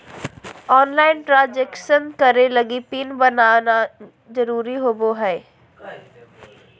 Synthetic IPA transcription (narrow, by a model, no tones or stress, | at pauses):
ɔːnlaːɪnʈɾaːd͡ʒekʃənkɐɾelɐɡipinbɐnaːna | zɐɾuːɾiɦoːboɦɛː